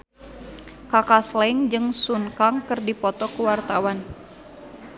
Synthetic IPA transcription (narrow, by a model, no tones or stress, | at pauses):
kakaslɛŋd͡ʒɨŋsuŋkaŋkɨrdipɔt̪ɔkuwart̪awan